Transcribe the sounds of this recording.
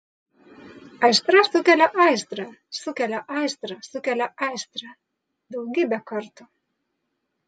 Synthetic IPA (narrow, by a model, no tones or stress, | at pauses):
ajst̪ɾast̪ukɛlaʔajst̪ɾasukɛlaʔajst̪ɾasukɛlaajst̪ɾa | d̪uwɡibakɔɾt̪u